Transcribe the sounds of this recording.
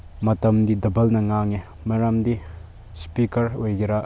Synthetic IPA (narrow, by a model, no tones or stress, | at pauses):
mɐtɐmdidɐbɐlnɐŋaŋi | mɐɾamdi | spikɐɾojɡeɾa